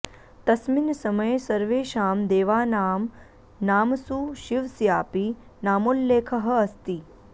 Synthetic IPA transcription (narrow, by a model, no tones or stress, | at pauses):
t̪ɐsminsɐməjsɐɾʋeːʃaːmd̪eːʋaːnaːm | naːmsuʃiʋsjaːpi | naːmolːeːkʰɐɦɐ̆ɐst̪i